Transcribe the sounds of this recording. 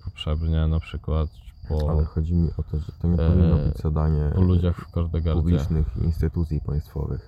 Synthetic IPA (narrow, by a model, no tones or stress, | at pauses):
pɔtʂɛbɲɛnapʂɘkwat̪pɔalɛxɔd͡ʑimʲiʔɔt̪ɔʐɛt̪ɔɲɛɔvinːɔbɘd͡ʑzad̪aɲɛpɔlud͡ʑaxfkɔɾd̪ɛɡaub̪lʲiɛt͡ʂnɘxiḭnst̪ɨt̪ut̪sʲjipaj̃st̪fɔ̰vɘ̰x